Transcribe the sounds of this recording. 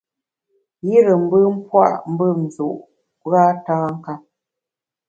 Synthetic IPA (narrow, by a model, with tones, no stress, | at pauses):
ji˦ɾə˨m̩˦bə˦m̩˦pwa̰˦˨ʔm̩˦bə˦˨n̩˨zu˨ʔ | ɣa˦taː˦ŋ̩˦ka˦p̚